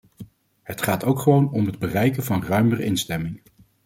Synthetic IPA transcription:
ɦətχaːtowkχəʋownɔmɦəd̚bərɛjkənvɑnrœɥmərə̰ʔɪnstɛmɪŋ

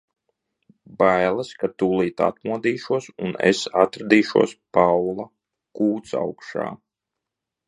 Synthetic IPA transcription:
bajlˠaskat̪uːlˠiːt̪a̰t̪muɔd̪iːʃuɔsunḛsat̪ɾad̪iːʃṵɔspawlˠa | kuːt̪sa̰wkʃa̰ː

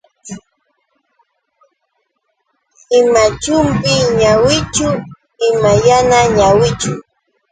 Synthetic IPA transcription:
ɪmat͡ʃʊmpɪɲawɪt͡ʃʊ | ɪmajanaɲawɪt͡ʃʊ

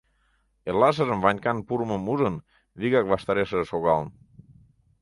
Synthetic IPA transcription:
elːas̬əzəmβaɲkanpuɾməmuzən | βiɣak̚βast̪aɾesəsoɣaln

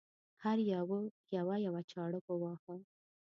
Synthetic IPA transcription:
haɾjawəjawajawat͡ʃɑɽəpəwɑxə

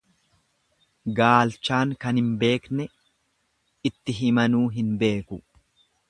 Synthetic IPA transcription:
ɡaːlt͡ʃːaːŋkɐnhɪmbe̞ːknɛ | ɪt̪ːɪɦɪmɐnuːɦɪnbe̞ːkʊ

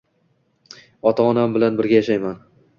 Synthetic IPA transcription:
ɒt̪ʰaɒnambɪlanbɪɾɡʲajaʃajman

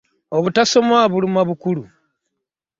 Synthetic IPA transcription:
oβutaso̞maβulimaβukulu

